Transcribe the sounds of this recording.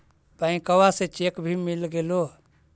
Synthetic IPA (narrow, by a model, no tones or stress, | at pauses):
paĩkəwasẽt͡ʃekbʱimilɡelo